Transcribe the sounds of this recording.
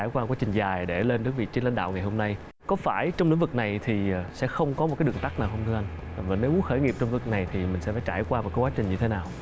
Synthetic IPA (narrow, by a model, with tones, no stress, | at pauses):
aː˧˩jkwaː˧˨kwaː˨˦t͡ɕï˨˩ŋ̟zaː˨˩jɗe˧˩le˧nɗɨ˦˥ək̚vḭ˧˨t͡ɕe˧nla̰˧jŋ̟ɗa̰ː˧˨wŋa˨˩jho˧mna˧j | kɔ˨˦faː˧˩jt͡ɕɔ˧wŋ͡mlḭ˧˥ŋ̟vɨ˨˩k̚na˨˩jt̪ʰi˨˩˨sɛ̰˧˥xə˧wŋ͡mkɔ˨˦m̚˨˩kaː˨˦jɗɨ˨˩əŋt̪a˦˥k̚naː˨˩whə˧wŋ͡mt̪ʰɨ˧ʔa˧jŋ̟˨˩ | va̰˨˩ne˨˦wʔu˨˦xəː˧˩jŋi˨˩əp̚t͡ɕk̚na˨˩jt̪ʰi˨˩mï˨˩ŋ̟sɛ̰˧˥faː˧˩jt͡ɕaː˧˩jkwaː˧m˨˩t̚kːa˨˦jkwaː˦t͡ɕï˨˩ɲɨ˧t̪ʰe˨˦naː˨˩w